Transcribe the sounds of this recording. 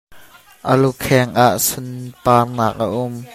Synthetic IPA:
ʔəlukʰɛŋʔaʔsʊnpaːrnaːk̚ʔə̰ʔʊm

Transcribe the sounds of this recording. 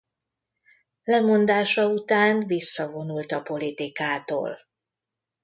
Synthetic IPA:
lɛmo̞nd̪aːʃɒut̪aːnvisːɒvo̞nult̪ɒpo̞lit̪ikaːt̪o̰ːl

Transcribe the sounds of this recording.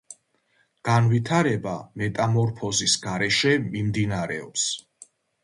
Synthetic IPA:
ɡ̥anvit̪ʰaɾɛbamɛt̪ʼamɔɾpʰɔzisɡ̥aɾɛʃɛmimd̪inaɾɛɔps

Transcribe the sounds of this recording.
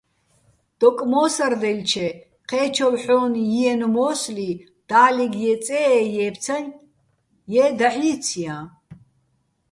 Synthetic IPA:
d̪̥ɔkʼmɔːsard̪ɛlʲt͡ʃʰɛ | qʰɛːt͡ʃʰɔvħɔːnjiɛnmɔːsli | d̪̥aːliɡjɛt͡sʼɛːjɛːpʰt͡sʰan | jɛːd̪aħit͡sʰijã

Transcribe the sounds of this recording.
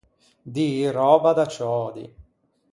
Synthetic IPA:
d̪iːɾɔːbad̪at͡ʃɔːd̪ḭ

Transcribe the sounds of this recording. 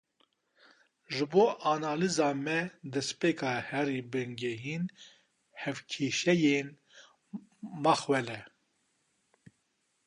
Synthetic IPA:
ʒɨboːʔanɑːlizɑːmɛd̪ɛspeːkʰɑːhɛɾiːbɨŋɡɛɦiːn | hɛvkʰeːʃɛjeːn | mɑxwɛlɛ

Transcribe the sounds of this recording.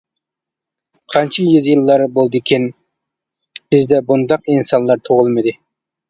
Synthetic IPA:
qʰɑnt͡ʃʰijyzjɨlˠːɑɾbolˠd̪ɨkʲʰɪn | b̥ɪzd̪ɛbund̪ɑqinsɑnlˠɑɾt̪ʰoʁʊlˠmɨd̪ɨ

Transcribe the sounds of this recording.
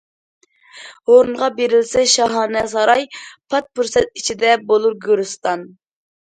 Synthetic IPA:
hoɾunʁɑbeɾɪlsɛʃɑɦɑːnɛsɑɾɑjpʰɑt̪̚puɾsɛt̪̚it͡ʃʰid̪ɛbolˠuɾɡʲyɾust̪ɑn

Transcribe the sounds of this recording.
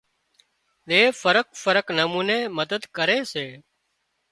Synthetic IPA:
ɗ̪eːfəɾək̚fəɾəknəmuːneːməd̪əd̪kəɾeːseː

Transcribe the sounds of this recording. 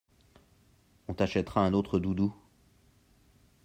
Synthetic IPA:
ɔ̃t̪aʃɛt̪χaɛ̃not̪χəd̪ud̪u

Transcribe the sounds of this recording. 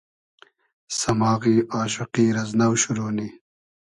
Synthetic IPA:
sɐmɑːɣiːaːɕuqiːɾɐznɐwɕuɾoːni

